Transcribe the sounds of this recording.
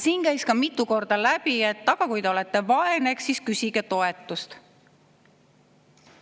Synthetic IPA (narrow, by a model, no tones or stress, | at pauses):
siːnkæjskɑmit̪ːˑuko̞rd̪̥ɑlæb̥ie̞t̪ːɑɡ̥ɑkujd̪e̞o̞le̞t̪ːe̞vɑeneksiskysiɡet̪o̞e̞t̪ːˑust̪